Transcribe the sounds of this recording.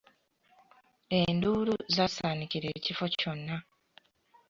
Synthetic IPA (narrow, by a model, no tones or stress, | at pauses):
e̞nduːluzasaːniciɾe̞ːcifo̞co̞nːa